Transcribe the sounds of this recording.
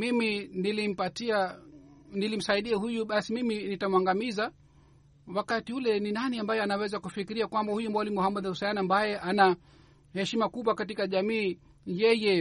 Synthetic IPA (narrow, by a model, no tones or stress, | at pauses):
miminilim̩patia | nilim̩saiɗiahujuɓasimiminitamwaŋɡamiza | wakatiulɛninaniambajɛanawɛzakufikiɾiakwambahujumɔlimuhamɔðausajaniambajɛʔana | hɛʃimakuɓwakat̬ikaʄamiː | jɛjɛ